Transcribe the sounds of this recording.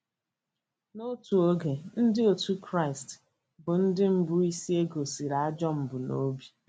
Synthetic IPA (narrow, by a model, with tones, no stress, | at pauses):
no˦tu˨o˦ɡe˨n̩˦dɪ˦o˨tu˦kɾa˦ɪ˨st | bʊ˨n̩˦dɪ˦m̩˦bʊ˦i˦si˦e˦ɡo˨si˨ɾa˦a˦d͡ʒɔ˦m̩˨bʊ˨no˦bi˦